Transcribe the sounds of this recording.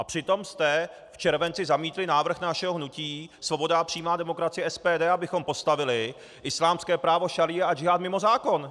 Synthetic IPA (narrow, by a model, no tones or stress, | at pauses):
ʔapr̥ɪt̪o̞mst̪ɛ | ft͡ʃɛɾvɛnt͡sɪzamiːt̪lɪnaːvr̩xnaʃɛɦoɦnuciːsvo̞bo̞dapr̝̥iːmaːdɛmo̞kɾat͡sɪjɛʔɛspɛːdɛːabɪxo̞mpo̞st̪avɪlɪ | ʔɪslaːmskɛːpɾaːvo̞ʃalɪjɛʔad͡ʒɪɦaːt̪mɪmo̞zaːko̞n